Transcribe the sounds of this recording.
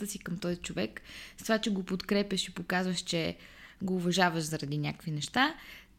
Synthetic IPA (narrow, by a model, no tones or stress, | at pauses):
əsikəmt̪ɔjzit͡ʃovɛkst̪ovat͡ʃɛɡopot̪kɾɛpʲjɐʃipokazvəʃt͡ʃɛɡoːvɐʒavəʃzɐɾɐd̪inʲakkvinɛʃt̪a